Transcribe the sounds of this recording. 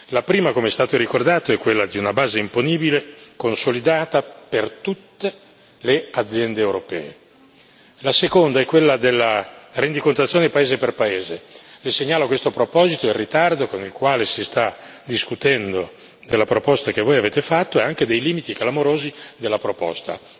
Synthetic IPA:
lapɾiːmakomeɛst̪aːt̪oɾikord̪aːt̪oɛkːwelːad̪iunabaːzeimponiːbilekonsolid̪aːt̪apert̪ut̪ːe | lead̪zːjɛnd̪eːwɾopɛ̰ːe | lasekond̪aɛkːwelːad̪elːarend̪ikont̪at̪sjoːnepaeːzeperpaeːzeleseɲːaːlakwest̪opɾopɔːzit̪oirːit̪ard̪okonilkwaːlesist̪ad̪iskut̪ɛnd̪o | d̪elːapɾopɔst̪ak̟evːoːjaveːt̪efat̪ːoɛaŋk̟ed̪ejliːmit̪iklamoɾoːzid̪elːapɾopɔ̰st̪a̰

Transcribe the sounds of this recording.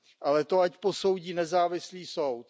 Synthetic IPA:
ʔalɛt̪oacpo̞so̞wɟiːnɛzaːvɪsliːsowt̪

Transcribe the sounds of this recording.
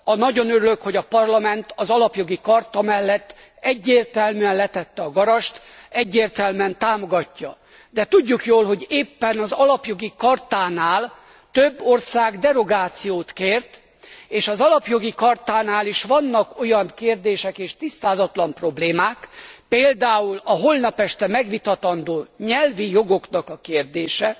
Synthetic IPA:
ɒnɒɟo̞nøɾyløkho̞ɟɒpɒrlɒmɛnt̪ɒzɒlɒpjo̞ɡikɒrt̪ɒmɛlːɛt̪ː | ɛɟːeːrt̪ɛlmyːɛnlɛt̪ɛt̪ːɛɒɡɒɾɒʃt̪ɛɟːeːrt̪ɛlmɛnt̪aːmo̞ɡɒcːɒ | d̪ɛt̪uɟːukjoːlɦo̞ɟeːpːɛnɒzɒlɒpjo̞ɡikɒrt̪aːnaːl | t̪øbːo̞rsaːɡd̪ɛɾo̞ɡaːt̪sijoːt̪keːrt̪ | eːʃɒzɒlɒpjo̞ɡikɒrt̪aːnaːliʃʋɒnːɒko̞jɒŋkeːrd̪eːʃɛkeːʃt̪ist̪aːzɒt̪lɒmpro̞bleːmaːkpeːld̪aːulɒɦo̞lnɒpɛʃt̪ɛmɛɡʋit̪ɒt̪ɒnd̪oːɲɛlvijo̞ɡo̞knɒkɒkeːrd̪eːʃɛ

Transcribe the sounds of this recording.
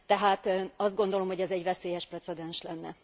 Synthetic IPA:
t̪ɛɦaːt̪ɒzd̪ɡo̞nd̪o̞lo̞mho̞ɟɛzɛɟvɛseːjɛʃprɛt̪sɛd̪ɛnʃlɛnːɛ̰

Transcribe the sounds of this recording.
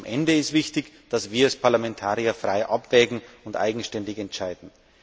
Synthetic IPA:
mʔɛndəɪstv̥ɪçtɪç | d̥asv̥iːɐɛspʰaɐlamɛntʰaːʁiɐfʁ̥aɪʔapv̥ɛːɡŋ̩ʊntʔa̰ɪɡŋ̩ʃtɛndɪçɛntt͡ʃaɪdn̩

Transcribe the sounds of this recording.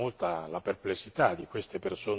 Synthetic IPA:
olt̪alaperplesːit̪ad̪ikwest̪epersoː

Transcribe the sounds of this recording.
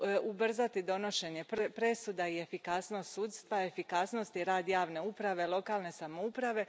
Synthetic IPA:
ubr̩zat̪id̪o̞no̞ʃe̞ɲe̞ppɾe̞sud̪aie̞fikasno̞st̪suːd̪st̪ʋae̞fikasno̞st̪iɾaːd̪jaːʋne̞upɾaʋe̞lˠo̞kaːlne̞samoupɾaʋe̞

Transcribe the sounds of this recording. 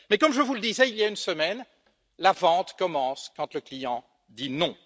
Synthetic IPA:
mɛkɔmʒəvuləd̪izɛiljaynsəmɛn | lavɑ̃t̪kɔmɑ̃skɑ̃t̪ləklijɑ̃ | d̪inɔ̃

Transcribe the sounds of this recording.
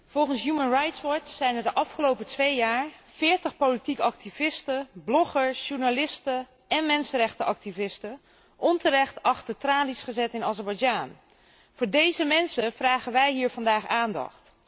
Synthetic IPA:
v̥ɔlˠχənsjumənrajtsʋɔɹtsɛjnəɹdəʔɑfχəlowpətʋejjaːɹfɪːɹtəχpolitikɑk̚tivɪstəblɔχəɹsʃuɹnalɪstə | ɛnmɛnsənrɛχtəʔɑk̚tivɪstə | ʔɔntərɛχtɑχtətraːlisχəzɛtɪnɑzɛɹbɑjd͡ʒaːn | vʊːɹdejzəmɛnsəvraːχənʋɛjɦiːɹvɑndaːχaːndɑ̰χt

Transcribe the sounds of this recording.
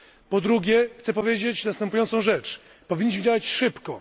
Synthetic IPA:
pɔd̪ɾuɡʲɛxt̪sɛpɔvʲjed͡ʑet͡ɕnast̪ɛmpujɔnt̪sɔ̃w̃ʐɛt͡ʂ | pɔvʲiɲːiɕmɘ̆d͡ʑawat͡ɕʂɘpkɔ

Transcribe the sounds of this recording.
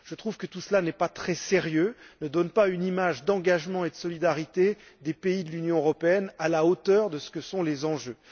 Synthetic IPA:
ʒ̥ət̪χuvkət̪usəlanɛpat̪χɛseʁjønəd̪ɔnpaynimaʒd̪ɑ̃ɡaʒmɑ̃ed̪əsɔlid̪aʁit̪ed̪epeid̪əlynjɔ̃øʁɔpeɛnalaot̪œʁd̪əsə̥kəsɔ̃lezɑ̃ʒø

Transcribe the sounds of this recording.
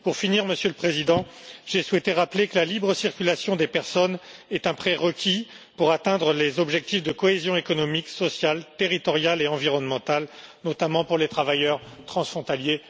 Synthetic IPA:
puʁfiniʁməsjøləpχezid̪ɑ̃ʒɛswɛt̪eʁaplekəlalibʁəsiʁkʲylasjɔ̃d̪epɛʁsɔnɛt̪ɛ̃pχɛʁəkʲʰi | puʁat̪ɛ̃d̪ʁəlezɔbʒɛk̚t̪ifd̪əkɔezjɔ̃ekɔnɔmiksɔsjalt̪eʁit̪ɔʁjaleɑ̃viʁɔnmɑ̃t̪alnɔt̪amɑ̃puʁlet̪χavajœʁt̪χɑ̃sfχɔ̃t̪alje

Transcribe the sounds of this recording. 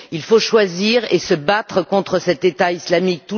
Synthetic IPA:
ilfoʃwaziʁesəbat̪χəkɔ̃t̪χəsɛt̪et̪aislamik̚t̪u

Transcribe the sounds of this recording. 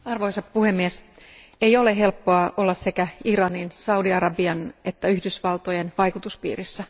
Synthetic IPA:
ɑrʋoisɑppuhemːies | ejo̞leɦe̞lpːoɑʔolːɑssekæirɑninsɑudiɑɾɑbiɑnet̪ːæyhdysʋɑlt̪ojenʋɑjkut̪uspḭːrisːæ

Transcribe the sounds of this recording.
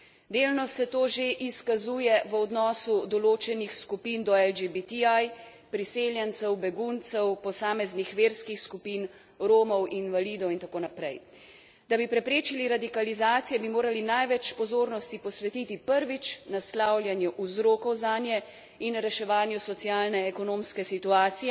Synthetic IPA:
d̪eːlnɔsɛt̪oːʒeʔiskazuːjɛʋəɔd̪nɔːsud̪ɔloːt͡ʃɛnixskupiːnd̪ɔɛld͡ʒebit̪iaj | pɾiseːljɛnt̪sɛwbɛɡuːnt̪sɛwpɔsaːmɛznixʋeːɾskixskupiːn | ɾoːmɔwinʋaliːd̪ɔwint̪akoːnapɾɛj | d̪abipɾɛpɾeːt͡ʃiliɾad̪ikalizaːt̪sijɛbimoːɾalinajʋɛt͡ʃpɔzoːɾnɔst̪ipɔsʋɛt̪iːt̪ipəɾʋit͡ʃnaslawljanjuʔuzɾoːkɔwzaːnjɛ | inɾɛʃɛʋaːnjusɔt̪sijaːlnɛːkɔnoːmskɛsit̪uaːt̪sijɛ

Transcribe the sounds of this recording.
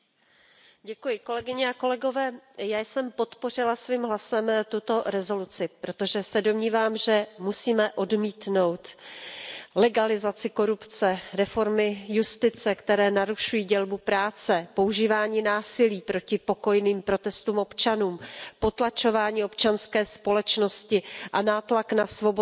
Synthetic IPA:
ɟɛkujɪko̞lɛɡɪɲɛako̞lɛɡo̞vɛːjaːjsɛmpo̞t̪po̞r̝ɪlasviːmɦlasɛmt̪ut̪o̞ɾɛzo̞lut͡sɪpɾo̞t̪o̞ʒɛsɛdo̞mɲiːvaːmʒɛmusiːmɛʔo̞dmiːt̪no̞wt̪ | lɛɡalɪzat͡sɪko̞ɾupt͡sɛɾɛfo̞ɾmɪjust̪ɪt͡sɛkt̪ɛɾɛːnaɾuʃujiːɟɛlbupɾaːt͡sɛpo̞uʒiːvaːɲiːnaːsɪliːpɾo̞cɪpo̞ko̞jniːmpɾo̞t̪ɛst̪uːmʔo̞pt͡ʃanuːmpo̞t̪lat͡ʃo̞vaːɲiːo̞pt͡ʃanskɛːspo̞lɛt͡ʃno̞scɪʔanaːt̪laknasvo̞bo

